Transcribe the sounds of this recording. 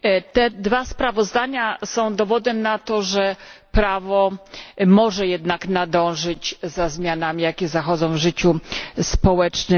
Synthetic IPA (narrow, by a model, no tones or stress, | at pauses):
t̪ɛd̪vaspɾavɔzd̪aɲasɔ̃w̃d̪ɔvɔd̪ɛmnat̪ɔʐɛpɾavɔmɔʐɛjɛd̪naknad̪ɔ̃w̃ʐɘt͡ɕzazmʲjanamʲijakʲɛzaxɔd̪zɔ̃w̃vʐɘt͡ɕuspɔwɛt͡ʂnɘ